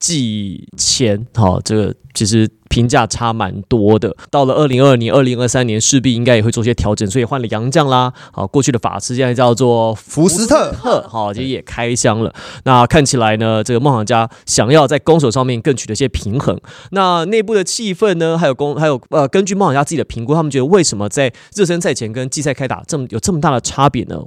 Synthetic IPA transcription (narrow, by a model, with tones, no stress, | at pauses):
t͡ɕi˥˧˩t͡ɕʰjɛ˧˥nxɔ̰˥˨˩ʈ͡ʂɤ˥˩ɡə̰˩t͡ɕʰi˧˥ʂɻ̩˧˥ | pʰi˧˥ŋt͡ɕja˥˩ʈ͡ʂʰa˥ma̰˧˦˥nt̪wɔ˥d̪ə˨t̪ɑ˥˩ʊlə˩ʔə˥˩li˧˥ŋə˞˥˩nji˧˥nʔə˞˥˩li˧˥ŋə˞˥˧sa˥njɛ˧˥nʂɻ̩˥˧pi˥˩i˥ŋka˥ɪjwe˥˧ɪt͡swɕjɛ˥t̪ʰjɑ˧˥ʊʈ͡ʂə˨˩˦nswi˨˩wa˥˩nlə˩jɑ˧˥ŋt͡ɕjɑ˥˩ŋla˨ɔ̰˨kwɔ˥˧t͡ɕʰy˥˩d̪ə˩fa̰˨˩t͡sʰɹ̩˥ɕɛ˥na˥˧t͡ɕjɑ˥˧ʊt͡swɔ˥˨˩fu˧˥t̪ʰə˥˩xɔ˥˨˩t͡ɕʰi˧˥ʂ̩˧˥jɛ˨˩kʰa˥ɪɕjɑ˥ŋlə̰˨na˥˧kʰa˥˩nt͡ɕʰi˨˩la˧˦ɪnə˧ʈ͡ʂɤ˥˩ɡə˩mɑ˥˩xɑ˨˩ŋt͡ɕja˥ɕjɑ˨˩ŋjɑ˥˧ʊt͡sa˥˩ɪko˥ŋʂ̬o˨˩ʊʂɑ˥˧ŋmjɛ˥˧nkə˥˩ŋt͡ɕʰy˨˩d̪ə˦i˩ɕjɛ˥pʰi˧˥ŋxə̰˧˥ŋna˥˧ne˥˧ɪp̬u˥˩d̪ə˩t͡ɕʰi˥˧fə˥˩nnə˩xa˧˥ɪjo˨˩ko˥ŋxa˧˥ɪjo˨˩ʊə˧kə˥nt͡ɕy˥˧m˥˩xɑ˨˩t͡ɕja˥t͡s̩ɨ˥˩t͡ɕi˨˩d̪ə˦pʰi˧˥ŋku˧˥t̪ʰa˥mə˨t͡ɕɥɛ˧˥ə˧we˥˩ɪʂə˧˥mə˧t͡sa˥˧ɪ | ɻ̩˥˩ʂ̬ə˥nt͡sʰa˥˩ɪt͡ɕʰjɛ˧˥nkə˦˥nt͡ɕi˥˧s̬a˥˩ɪkʰa˥ɪt̪a̰˨˩ʈ͡ʂə˥˩mə˩jo˨˩ʊʈ͡ʂɤ˥˩mə˩t̪a˥˩d̪ə˩ʈ͡ʂʰa˥pjɛ̰˨˩˦nə̰˦